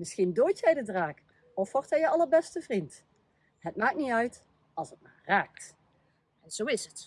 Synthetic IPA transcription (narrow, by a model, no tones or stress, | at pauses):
mɪsxindoːjtjɛjdədraːk | ɔfʋɔɹthɛjəɑləɹbɛstəvrint | ɦətmaːk̚tniœɥt | ɑlˠsɦət̚maːɹraːk̚t | ɛnz̥owɪsət